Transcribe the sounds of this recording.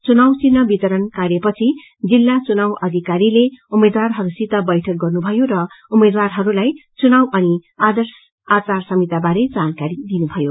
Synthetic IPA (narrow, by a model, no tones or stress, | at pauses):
t͡sunawt͡sinːʌbit̪ʌɾʌnkarjʌpʌt͡sʰi | d͡zilːat͡sunawʔʌd̪ʱikaɾileumed̪warɦʌɾusit̪ːʌbʌjʈʰʌk̚ɡʌrnubʱʌjoɾʌumed̪warɦʌɾulajt͡sunawʌniad̪ʌrs | at͡sarsʌmit̪abaɾed͡zankaɾid̪inubʱʌjo